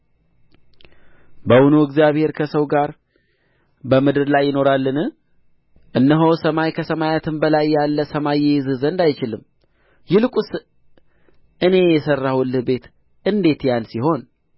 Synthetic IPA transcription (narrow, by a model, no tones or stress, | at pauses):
bəwunoɨɡzjaβhe̞ɾkʰəsəwɡaɾ | bəmɨd̪ɨɾlajːɪno̞ɾalːɨnɨ | ʔɨnːəɦowsəmajkʰəsəmajat̪ʰɨmbəlajːalːəsəmajːɛjzɨzənd̪ajt͡ʃɪlɨm | jɪlɨkʼus | ʔɨne̞jɛsərːawʊlɨhbe̞t̪ | ɨnd̪e̞t̪jansiɦo̞n